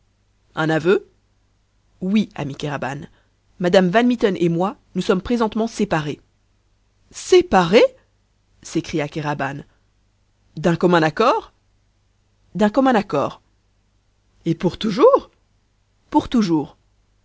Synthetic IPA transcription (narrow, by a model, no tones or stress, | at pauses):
ɛ̃navø | wia̰mikʲeʁaba̰n | mad̪amvanmit̪ɔnʔemwanusɔmpχezɑ̃t̪mɑ̃sepaʁe | sepaʁe | sekχijakʲeʁaban | d̪ɛ̃kɔmɛ̃nakɔːʁ | d̪ɛ̃kɔmɛ̃nakɔ̰ːʁ | epuʁt̪uʒuːʁ | puʁt̪uʒuːʁ